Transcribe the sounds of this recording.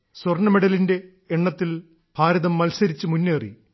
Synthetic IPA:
swɐrɳɐmeɽɐlinde̞ː | ɳːɐt̪ːil | b̥ʱaːɾɐðɐmːɐlsɐɾit͡ɕːɨmunːeːrḭ

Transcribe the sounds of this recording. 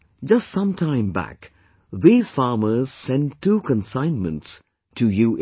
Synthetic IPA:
d͡ʒʌstsʌ̃mtʰãɪ̃mbæ̰k | ðiːz̥fɑːməz̥sɛ̃ntːukə̃nsãɪ̃nmə̃nts | tʰujuʔ

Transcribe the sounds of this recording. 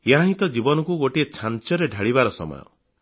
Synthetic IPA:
jeɦãɦĩt̪ɔd͡ʒibɔnɔkuɡoʈiet͡ʃʰant͡ʃɔɾeɖʱaɽiβaɾɔsɔ̰mɔ̰jɔ̰

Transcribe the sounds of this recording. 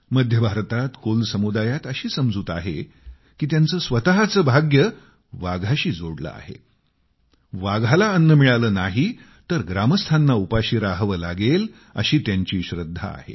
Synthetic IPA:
məd̪ʱjəbʱaɾt̪at̪kolsəmud̪ajat̪əɕiːsəmd͡zuːt̪aɦḛ | kiːt̪jant͡səːsʋət̪aɦat͡səːbʱaɡjə | ʋaɡʱaɕiːd͡zoɽlə̰a̰hḛ | ʋaɡʱalaənːəmiɭaləːnaɦi | t̪əɾɡɾaməst̪ʰanːaupaɕiːɾaɦʋəla̰ɡel | ə̰ɕiːt̪jaɲt͡ɕiːɕɾəd̪ʱːa̰ːhḛ

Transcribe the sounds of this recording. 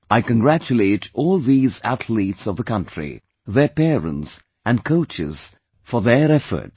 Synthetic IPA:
ʔaɪkɨ̃nɡɹæt͡ʃɨleɪɾɔlˠðizæ̰tʰlitsʌvðəkʰʌ̃ntɹ̥ḭ | ðə˞pɛɹə̰̃nts | ɨ̃nkʰoʊt͡ʃɪ̰z̥ | fə˞ðəɹɛfə̰˞t

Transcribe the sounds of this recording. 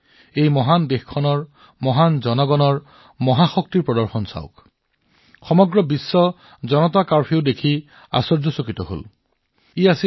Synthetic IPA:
ejmɔɦandexkʰɔnɔɹ | mɔɦanzɔnɔɡɔnɔɹ | mɔɦaxɔk̚tiɹpɹɔdɔɹxɔnsa̰ʊk | xɔmɔɡɹɔbisːɔ | zɔnɔtakaɹpʰiʊdekʰi | a̰sɔɹzɔsokitɔɦo̰l | iasi

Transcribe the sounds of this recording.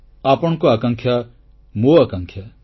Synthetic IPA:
aːpəɳ̃koaːkɐ̃ŋkʰja | moaːkɐ̃ŋkʰja

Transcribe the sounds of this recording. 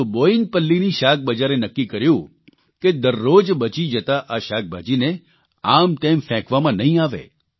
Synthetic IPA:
uboinpəlːiniʃak̚ʰbəd͡ʒaɾenəkːikəɾjũ | ked̪əɾːod͡ʒbət͡ʃid͡ʒət̪aʔaʃak̚bʱa̰d͡ʒine | amt̪emfɛ̃kʋamãnəɦĩaʋḛ

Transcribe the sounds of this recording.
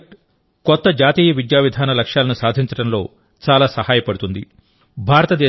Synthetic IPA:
kɔt̪ːɐd͡ʒaːt̪iːjɐʋid̪jaːʋid̪ʱaːnɐlɐkʂjaːlɐnusaːd̪ʱiɲt͡ʃɐɽɐmlo̞ː | t͡ʃaːlaːsɐhaːjɐpɐɽut̪und̪ḭ | bʱaːɾɐt̪ɐd̪ɛː

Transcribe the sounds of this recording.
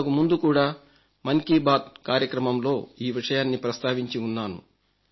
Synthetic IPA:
ɐkumund̪ukuːɽaː | mɐŋkiːbaːt̪̚kaːɾjɐkɾɐmɐmlo̞ːiːʋiʂɐjaːnːipɾɐst̪ʰaːʋiɲt͡ʃiunːaːnṵ

